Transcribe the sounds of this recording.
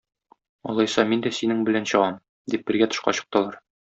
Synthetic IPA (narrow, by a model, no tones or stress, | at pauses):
ɒ̰lˠɑjsɑmind̪æsinɘŋbɘ̆lænɕɤ̆ʁɑm | d̪ip̚bɘ̆ɾɡæt̪ŏʃqɑ̰ɕɤ̆q̚t̪ɤlˠɑɾ